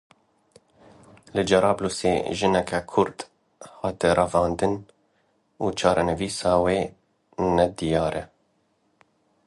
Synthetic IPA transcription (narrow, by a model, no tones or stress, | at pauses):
lɨd͡ʒɛɾɑːblusḛːʒɨnɛkɛkʰʊɾt̪ | hɑːt̪ɛrɑvɑːnd̪ɨn | uːt͡ʃʰɑːɾʔɛnɨviːsɑːweː | nɛd̪ijɑːɾɛ